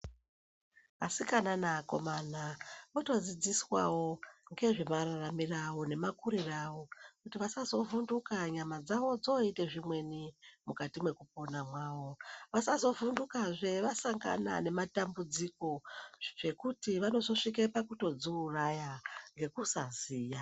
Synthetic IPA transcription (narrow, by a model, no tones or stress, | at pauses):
asikananako̞̰manamoto̞d͡zid͡ziswa̰wo̞ŋɡe̞ʐemararamirawo̞ne̞makuɾiraʋo̞kutiʋasazo̞vundukaɲamad͡zaʋo̞d͡zo̞ite̞ʐimwe̞nimukatimwe̞kup̚o̞namwaːʋo̞ʋasazo̞vundukaʐe̞ʋasaŋɡa̰na̰ne̞matambud͡ziko̞ʐ̥e̞kutiʋano̞zo̞ʂik̬epakuto̞d͡zuːrajaŋɡe̞kusaziːja